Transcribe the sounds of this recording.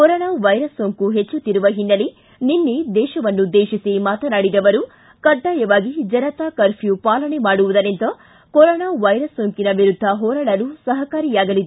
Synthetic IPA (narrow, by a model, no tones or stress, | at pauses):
kɔɾɔːnaːʋɐjɾɐsːoŋkuɦet͡ʃːut̪ːiɾuʋɐɦinːɐli | ninːed̪ɛːʃɐʋɐnːud̪eːʃisimaːt̪ɐnaːɽid̪ɐʋɐɾu | kɐɖːaːjɐʋaːɡid͡ʒɐnɐt̪aːkɐɾpʰjupaːlɐɳemaːɽuʋud̪ɐnent̪ɐ | koɾɔːnaːʋɐjɾɐsːoːŋkinɐʋiɾud̪ʱːɐɦɔːɾɐɽɐlusɐɦɐkaːɾijaːɡɐlid̪e